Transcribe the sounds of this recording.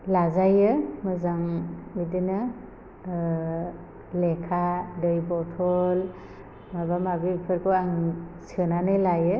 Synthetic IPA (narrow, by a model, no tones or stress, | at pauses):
lazajɯmɯzaŋmidɯnɯ | lekʰadɯjbɔtʰɔl | mabamabipʰɯɾkʰɯaŋsɯnanɯjlajɯ